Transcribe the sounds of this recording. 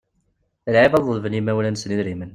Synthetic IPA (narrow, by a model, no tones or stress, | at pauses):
əlʕibɑðˤəðvənimæwlænəsniðɾimən